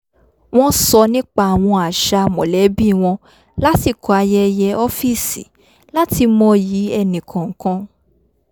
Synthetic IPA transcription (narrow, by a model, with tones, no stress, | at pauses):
w̃ɔ̃˦sɔ˧nĩ˦k͡pa˧˨a˨w̃ɔ̃˧a˨ʃa˧˨mɔ̃˨lɛ˨˦bi˦˨w̃ɔ̃˧ | la˦ti˦˨kʰɔ˨a˧jɛ˦jɛ˧ɔ˦fi˦˨sḭ˨˦ | la˦ti˧mɔ̃˧˦ji˨˦ɛ˦˨nĩ˨kʰã˨ŋ̩˨kã˧